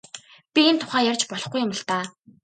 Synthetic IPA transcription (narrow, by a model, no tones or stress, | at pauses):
pʲient̪ʰʊ̥χæːjærʲt͡ɕpɔɮɞ̆χɡujʊmə̆ɬt̪aː